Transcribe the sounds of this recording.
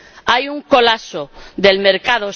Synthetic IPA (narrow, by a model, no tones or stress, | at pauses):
ajuŋko̞lasoðe̞lme̞ɾkað̞o